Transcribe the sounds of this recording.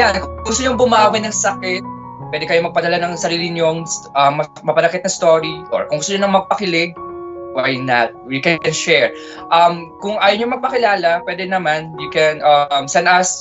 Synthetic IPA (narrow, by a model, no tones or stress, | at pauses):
jankʊŋɡʊst̪oɲoŋbʊmaʔawɪnɐŋsɐkɪt̪̚ | pwɛd̪ɛkɐjo̞mɐɡ̚pɐd̪ɐlanɐŋsɐɾiːlɪɲoŋsʔɐmɐ | mɐpɐnɐkɪt̪̚nɐst̪oːɾiʔo̰ɹkʊŋɡʊst̪oɲonɐŋmɐɡ̚pɐkɪlɪɡ̚wajnɐt̪̚wikɛnʃɛɹ | ʔɐmkʊŋʔaːjoɲomɐɡ̚pɐkɪlaːlɐpwɛd̪ɛnɐmanjʊkɛnʔɐmsɛnd̪ɐs